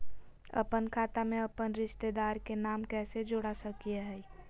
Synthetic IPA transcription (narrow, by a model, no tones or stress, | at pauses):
ə̰pənkʰaːt̪amẽɐpənɾɪʃt̪ed̪aːɾkenaːmkɛːsed͡ʒoɽasəkijeɦɛ